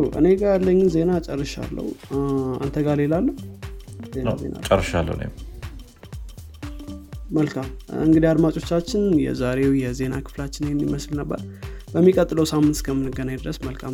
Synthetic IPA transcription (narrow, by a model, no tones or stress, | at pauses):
ʔɨ̰ne̞ɡajalːəɲːɪnze̞nat͡ʃʼərːɨʃa̰lːə̰wua̰nt̪ʰəɡale̞lalːəh | zen̰zḛna̰t͡ʃʼəɾrːɨʃa̰lːə̰wlḛm | məlkʰamɨŋɡɨd̪iad̪mat͡ʃʼo̞t͡ʃːat͡ʃːɪnjɛ̰zaɾe̞wjɛze̞nakʰɨ̥flat͡ʃːɪnjɛmːiməslnəbːə̰ɾb̥əmːikʼət̪ʼːɨləwsamːɨnt̪kʰəmːɨnɨɡənaɲd̪ɨɾəsməlkʰam